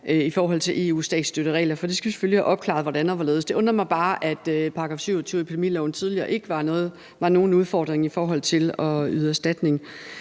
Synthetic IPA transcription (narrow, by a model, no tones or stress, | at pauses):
ʔøifɒːɦɒ̽l̰t͡sʰe̝lʔe̝̰ːṵːsd̥ɛ̰ːd̥sd̥øɾ̥əʁɛ̰ːlɐfɒ̽d̥esɡ̥æʋise̥føljihæʔɒ̽b̥̚kʰlɑ̰̈ðˠʋɒdænð̩ˠʋɑle̝ːðˠsd̥e̝ʔɔ̽nʁɐmɑ̈ɪb̥ɑ̈ːʔæd̥øpʰɑ̈ɡ̥ʁɑ̈fsyʊɒt͡sʰyːʊepʰid̥e̝mḭːlɛʊn̩t͡sʰið̞ˠliɐ̰ːʔe̝ɡ̥əʋɑ̈nɔ̽ːð̩ˠ | ʋɑ̈no̝ːn̩uð̞ˠfɒ̰ːd̥ʁeŋifɒːɦɒ̽l̰t͡sʰe̝lɒ̽yðˠæsd̥æd̥ne̝ŋ